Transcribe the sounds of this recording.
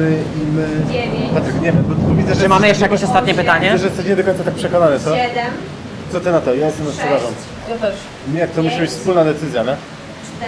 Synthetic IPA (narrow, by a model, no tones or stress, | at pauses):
ɘ | imɘpat̪ɾɨkɲɛmɛbɔt̪ɔvʲid̪zɛʐmamɘjɛʂt͡ʂɛjakʲeɕɔst̪at̪̚ɲɛpɘt̪aɲɛɛʐɛjɛst̪ɛɕɲɛd̪ɔkɔɲt̪sat̪ak̚pʂɛkɔnanɛt̪sɔ | t̪ɔt̪ɛnat̪ɔjajɛst̪ɛmzasɔvaʐɔn | mjak̚t̪ɔmuɕibɘt͡ɕfspulnad̪ɛt̪sɘzʲjanɛ